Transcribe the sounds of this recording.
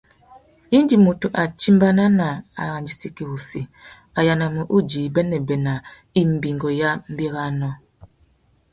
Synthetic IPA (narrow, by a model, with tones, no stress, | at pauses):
ji˦n˦d͡ʒi˨mo˨tu˨ʔa˨t͡ʃi˦mba˦na˦na˨a̰˨ɣa˨nd͡ʒi˦si˦ki˨wu˨si˨ | a˨ja˨na˨mə˨ʔu˦d͡ʒi˨bɛ˦nɛ˨bɛ˨na˨ | i˦m̩˨bi˨ŋɡɔ˨ja˦m̩˦bi˦ɣa˦nɔ˦